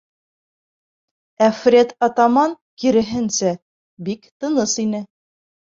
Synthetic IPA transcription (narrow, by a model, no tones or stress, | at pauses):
æfrʲet̪ɑt̪ɑmɑŋ | kiɾɘ̆ɦɘ̆nsæ | bikt̪ɤ̆nɤsinɘ